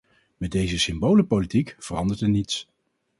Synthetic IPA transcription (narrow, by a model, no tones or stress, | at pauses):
mɛdejzəsɪmbowləpolitikv̥ərɑndəɹtɛnits